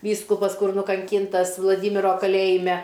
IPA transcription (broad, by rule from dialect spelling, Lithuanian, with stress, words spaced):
ˈʋʲiːskʊpɐs ˈkʊr nʊkɐŋʲˈkʲiːntɐs ʋlˠɐˈdʲiːmʲɪroː kɐˈlʲeːjɪmʲɛ